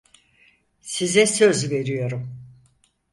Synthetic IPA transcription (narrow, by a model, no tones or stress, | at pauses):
sizɛsø̞zyve̞ɾijo̞ɾum